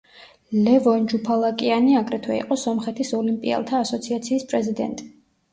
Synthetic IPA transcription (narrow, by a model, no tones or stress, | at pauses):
lɛvɔnd͡ʒupʰalˠakʼianiakʼɾɛt̪ʰwɛḭqʼɔsɔmχɛt̪ʰisɔlimpʼḭɛ̰lˠt̪ʰaːsɔt̪sʰiat̪sʰiːspʼɾɛzid̪ɛ̰nt̪ʼi̥